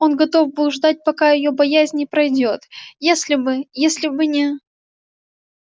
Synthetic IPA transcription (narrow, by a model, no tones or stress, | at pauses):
o̞nɡɐt̪o̞fbɨlˠʐd̪at̚ʲpɐkajɪjo̞bɐjæzʲnʲɪpɾɐjdʲo̞t̪jesʲlʲɪbɨjesʲlʲɪbɨnʲɪ